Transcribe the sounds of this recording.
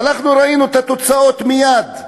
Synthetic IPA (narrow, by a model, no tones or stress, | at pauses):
naχnuɾainuet̪at̪o̞t͡sao̞t̪mijad̪